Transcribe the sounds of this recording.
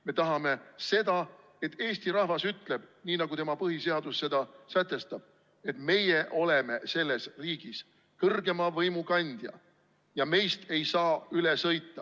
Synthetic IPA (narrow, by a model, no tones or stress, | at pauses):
me̞t̪ɑɦɑme̞se̞d̪̥ɑ | e̞t̪ːˑe̞ːst̪iɾɑhvɑsyt̪ːˑle̞b̥niːnɑɡut̪e̞mɑpɤɦise̞ɑd̪̥usːe̞d̪ɑsæt̪ːˑe̞st̪ɑb̥̚ | e̞t̪ˑme̞jeʔo̞le̞me̞se̞lːe̞sriːɡ̥is | kɤrɡ̥e̞mɑvɤjmukɑnʲd̪̥jɑ̰ | jɑme̞jst̪e̞jsɑːylesɤjt̪ːɑ